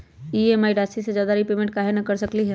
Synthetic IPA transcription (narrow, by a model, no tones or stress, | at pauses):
iemaːiɖaːsised͡ʒjaːd̪aɾipeːmẽɳʈ̚kaɦenɐkɐɾsəkliɦɛ